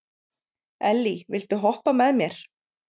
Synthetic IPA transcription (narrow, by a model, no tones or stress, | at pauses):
ɛlːivɪlt̪ʏɦɔhpamɛðmjɛɾ̥